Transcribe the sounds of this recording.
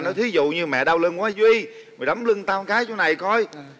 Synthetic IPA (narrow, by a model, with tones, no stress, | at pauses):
nɔ˨˦t̪ʰi˨˦zṵ˧˨ɲɨ˧mɛ̰˧˨ɗa˧wlə˧nkwaː˨˦zwi˧ | mɔ˨˩ɗa˨˦wmlɨ˧ŋt̪aː˧mkaː˨˦jt͡ɕɔ˧na˨˩jkɔ˧j